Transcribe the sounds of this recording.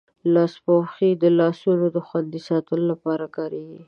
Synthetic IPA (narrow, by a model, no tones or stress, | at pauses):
lɑspoxid̪əlɑsunod̪əxwand̪isɑt̪əlolapɑɾakɑɾeɡi